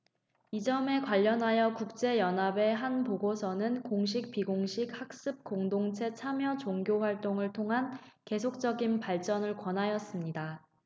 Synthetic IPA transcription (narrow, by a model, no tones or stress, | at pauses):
id͡ʑʌme̞kwaʎːʌnɦajʌkuk̚t͡ɕ͈e̞jʌnɦabe̞ɦanpoɡosʰʌnɯnkoŋɕ̬ʰik̚piɡoŋɕʰik̚hak̚s͈ɯp̚k͈oŋdoŋt͡ɕʰe̞t͡ɕʰamjʌt͡ɕoŋɡjoɸwaɭt͈oŋɯɭtʰoŋɦanke̞sʰok̚t͡ɕ͈ʌɡinpaɭt͡ɕ͈ʌnɯɭkwʌnɦajʌs͈ɯmɲida